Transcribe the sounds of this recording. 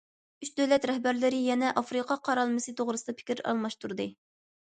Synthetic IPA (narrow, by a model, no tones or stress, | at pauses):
yt͡ʃd̪øwlɛt̪ɾɛhbæɾlɪɾɪjɛnɛʔɑfɾɨqʰɑqʰɑɾɑlˠmɨsɨt̪ʰoʁɾɨsɨd̪ɑpʰɪ̥kʲɪɾɑ̰lˠmɑʃt̪uɾd̪ɨ